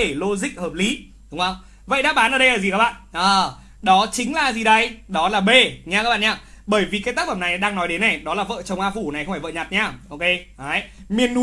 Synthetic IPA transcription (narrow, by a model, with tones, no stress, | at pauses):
e˧˩lo˧zï˧˨k̟̚həː˨˩p̚li˨˦ | ɗʊ˨˦ŋ͡mə˧wŋ͡m | və̰˧˨jɗa̰ː˧˥ɓaː˨˦nʔəː˧˩ɗə˧ʔəː˧˩zi˨˩kaː˦k̚ɓa̰ː˧˨nʔəː˨˩ | ɗɔ˨˦t͡ɕï˨˦ŋ̟laː˨˩zi˨˩ɗə˧jɗɔ˨˦laː˨˩ɓe˧˩ɲa˧ka˦˥ɓ̰ːɲaː˧˩ | ɓəː˧˩jvi˨˩kaː˨˦t̪aː˦˥k̚fə˧˩mna˨˩jɗaː˧ŋnɔ˨˦jɗe˨˦nːɛ˨˩jɗɔ˨˦laː˨˩və̰ː˧˨t͡ɕə˨˩wŋ͡mʔaː˧fu˧˩na˨˩jxŋ͡mfaː˧˩və̰ː˧˨ɲa˨˩t̚ɲaː˧ʔo˧ke˧aː˨˦jmi˨˩ənːu˨˦